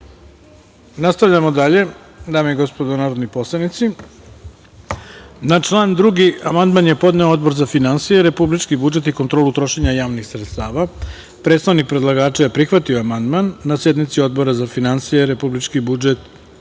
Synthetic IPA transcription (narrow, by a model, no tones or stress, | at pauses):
nast̪aʋʎamo̞d̪aʎe̞ | d̪aːmeiɡo̞spod̪onaːɾod̪nipo̞slˠednit̪si | nat͡ʂlˠaːnd̪ɾuɡiamand̪manjepo̞d̪ne̞ood̪bo̞ɾzafinansijeɾe̞publit͡ʃkibud͡ʒe̞t̪ikont̪ɾo̞ːlut̪ɾo̞ʃe̞ɲajaːʋnixsɾet̪st̪aːʋa | pɾe̞t̪st̪anik̚pɾe̞d̪lˠaɡaːt͡ʃejapɾixʋat̪io̞amand̪manːasje̞d̪nit̪sio̞d̪̚bo̞ɾazafinansijeɾe̞publit͡ʃkibud͡ʒet̪